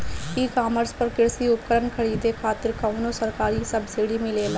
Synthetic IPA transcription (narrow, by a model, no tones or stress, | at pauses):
iːkaːməɾspəɾkɪɽsiʊp̚kəɾənkʰəɽiːd̪ekʰaːt̪ɪɾkaːnoːsəɾkaːɾisəbsiːɽiːmɪleːla